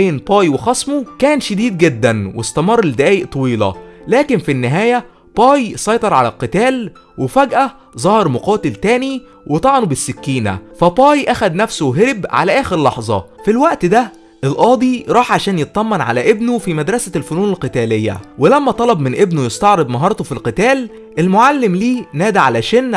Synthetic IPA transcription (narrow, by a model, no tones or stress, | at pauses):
eːnbɑːjwexɑsˤmokæːnʃed̪iːd̪ɡed̪ːænwest̪æmɑrˤːeld̪æʔæːjeʔt̪ˤɑwiːlɑ̰læːkenfinːɪɦæːjæ | b̥ɑːjsˤɑjt̪ˤɑɾˤʕalælqɨt̪æːl | wefæɡʔæ | zˤɑhɑɾˤmoqɑːt̪elt̪æːni | wet̪ˤɑʕɑnubɪsːekːiːnæ̰fæbɑːjʔæxæd̪næfsowɦeɾebʕa̰læʔæːxeɾlɑħzˤɑ̰filwæʔt̪d̪æ | ʔelʔɑːd̪ˤiɾˤɑːħʕaʃæːnjet̪̚t̪ˤɑmːɑnʕa̰læʔebnofimæd̪ɾˤɑsælfonuːnelqɨt̪æːlejːæ̰welæmːæt̪ˤɑlɑbmɪnʔebnojest̪ɑʕɾebnɑɦɑːɾˤt̪ofilqɨt̪æːl | ʔelmoʕalːemliːnæːd̪æʕalæʃæːnː